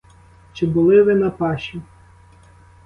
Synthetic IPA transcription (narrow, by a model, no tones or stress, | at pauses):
t͡ʃɪbʊlˠɪʋɪnɐpɑʃʲi